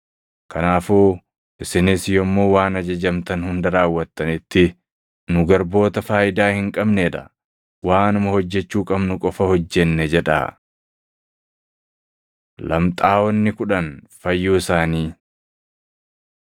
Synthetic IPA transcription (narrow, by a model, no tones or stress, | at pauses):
kʰɐnaːfuː | ʔɪsɪnɪsjɔmːo̞ːwaːnɐd͡ʒɐd͡ʒɐmt̪ɐnhʊnd̪ɐɾaːwːɐt̪ːɐnɪt̪ːɪ | nʊɡɐɾbo̞ːt̪ɐfaːjɪd̪aːhɪŋkʼɐbneːᶑɐ | waːnʊmɐhɔd͡ʒːɛt͡ʃːuːkʼɐbnʊkʼɔfɐhɔd͡ʒːɛnːɛd͡ʒɛᶑa̰ː | lɐ̰mt̪ʼaːwɔnːɪkʊᶑɐnfɐjːuːɪsaːniː